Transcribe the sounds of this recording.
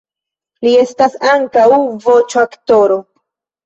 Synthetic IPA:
lie̞stasaŋkawvo̞t͡ʃoakto̞ɾo̞

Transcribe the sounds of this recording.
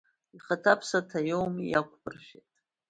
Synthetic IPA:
iχatʰapʰsatʰajowmijakʷʰʼbɨrʒʷᶣetʼ

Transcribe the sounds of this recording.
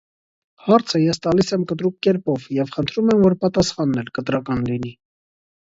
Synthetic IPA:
hɑɾt͡sʰəjɛst̪ɑlisɛmkət̪ɾuk̚kːɛɾpɔvjɛvχənt̪ʰɾumɛmvɔɾpɑt̪ɑsχɑnːɛlkət̪ɾɑkɑnlini

